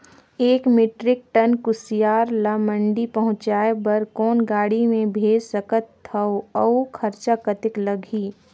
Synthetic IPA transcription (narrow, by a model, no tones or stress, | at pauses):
eːkmeːʈɾɪk̚ʈɐnkʊsɪjaːɾlaːmə̃ɳɖipɐɦʊ̃t͡ʃaːebɐɾkɔːnɡaːɽimẽbʱeːd͡ʒsəkət̪ʰːɐoɐokʰɐɾt͡ʃakət̪ɪklɐɡʱiː